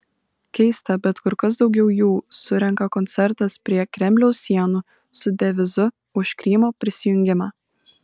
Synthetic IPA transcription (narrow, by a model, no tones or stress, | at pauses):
kʲɛɪst̪ɐbʲɛt̪kʊɾkɐs̬d̪ɒʊɡʲɛʊjuːsʊɾʲɛŋkɐkɔnʲt̪sʲɛɾt̪ɐspʲɾʲiɛkɾʲɛmʲlʲɛʊsʲiɛnʊ | sʊd̪ʲɛʋʲɪzʊ | ʊʃkɾʲiːmoːpʲɾʲɪsʲɪjʊŋʲɡʲɪmɑː